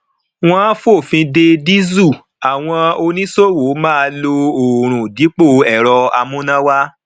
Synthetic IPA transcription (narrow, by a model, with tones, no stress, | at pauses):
w̃ɔ̃˦ã˦fo˦˨fĩ˧de˧di˦zu˦˨ | a˨w̃ɔ̃˧o˧nĩ˦so˦˨wo˨˦mãː˦˧lo˧o˨ɾ̃ũ˨di˨˦k͡po˦˨ɛ˨ɾɔ˧a˧mũ˦nã˦wa˦